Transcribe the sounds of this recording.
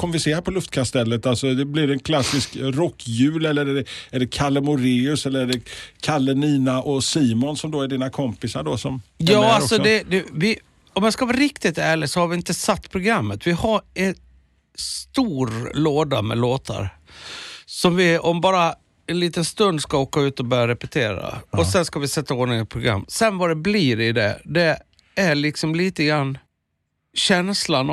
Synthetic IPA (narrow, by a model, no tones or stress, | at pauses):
kʰɔmvɪseːhapʰɔlɵft̪̚kʰast̪ɛlːət̪alsɔd̪ɛblɪɾɛnkʰlasːɪskɾɔkːjʉ̟ːlɛlːəɾɛɛæɖɛkʰalɛmʊɾeːɵsɛlːəɾæɖɛkʰalːɛniːnaʔɔsiːmɔnsɔmd̪oæɖiːnakʰɔmpɪsaɖɔsɔmjɑːalɔsɔd̪ɛd̪ɛvɪ | ɔmjaskavɑːɾɪkt̪ɪt̪æːɭɪsɔhaɾvɪɪnt̪əsat̪ːpʰɾʊɡɾamːət̪vɪhaɾɛn | st̪uːɾloːd̪amɛ̰loːt̪ʰa̰ɾ | sɔmvɪɔmbɑːɾa | ɛnliːt̪ənst̪ɵnd̪skaoːkaʉ̟ːt̪ɔbœːɾjaɾɛpɛt̪ʰeːɾa̰ʔɔsɛnskavɪsɛt̪ːaoːnɪŋət̪̚pʰɾʊɡɾa̰mːsɛnvad̪ɛbliɾɪd̪ɛ̰d̪ɛ | æɭɪksɔmliːt̪əɡɾanː | ɕɛnslan